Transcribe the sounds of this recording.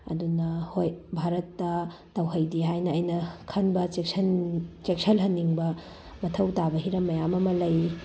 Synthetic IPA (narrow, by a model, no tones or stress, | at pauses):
ɐ̰dunɐhojbʱaɾɐtːɐ | tɐwɦɐjdiɦajnɐːjnɐkʰɐnbɐt͡ʃeknt͡ʃek̚sʰɐlɦɐnːiŋbɐ | mɐtʰɐwtabɐɦiɾɐmːɐjamɐmɐlɐj